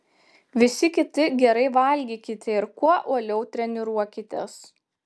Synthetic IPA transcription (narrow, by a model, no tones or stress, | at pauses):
ʋʲɪsʲɪkʲɪt̪ʲɪɡʲɛɾɐɪʋɐlʲɡʲiːkʲɪt̪ʲɛɪɾkuɔʔuɔlʲɛʊt̪ʲɾʲɛnʲɪɾuɔkʲɪt̪ʲɛs